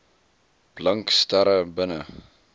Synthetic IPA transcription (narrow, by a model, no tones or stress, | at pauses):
b̥lɐŋkstaɾəbənə̰